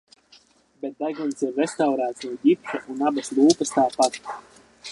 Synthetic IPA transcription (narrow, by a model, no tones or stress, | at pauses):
bet̪̚d̪ajɡɔnsiɾvest̪awɾaːt̪snuɔɟipʃaʔunabaslˠuːpəst̪aːpat̪